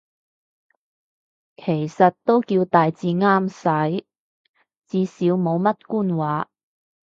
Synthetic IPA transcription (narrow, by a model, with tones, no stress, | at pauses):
kʰe˨˩jsɐ˨t̚t̪o˥wkiː˧wt̪aː˨jt͡siː˧ŋaː˥msɐ˨˥j | t͡siː˨˧siː˨˥wmo˨˧wmɐ˥t̚kuː˥nwaː˨˥